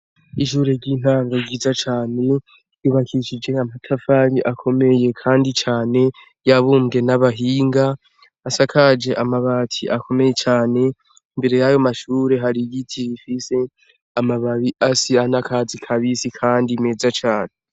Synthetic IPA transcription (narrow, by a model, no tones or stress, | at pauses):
iʃuɾeɟiːn̥haːŋɡoɡiːzat͡ʃaːne̞ | juβakʰiʃid͡ʒe̞amatʰafaɾiʔakʰo̞me̞je̞kʰaːndit͡ʃaːne̞ | jaβuːmɡe̞naβaɦiːŋɡaː | sakʰad͡ʒe̞ʔamaβatʰḭʔakʰo̞me̞je̞t͡ʃaːne̞ | imbe̞ɾe̞jajo̞maʃuːɾe̞ɦaɾiɡitʰiβifise̞ | amaβaβiʔasianakʰazikʰaβisikʰaːndime̞ːzat͡ʃaːne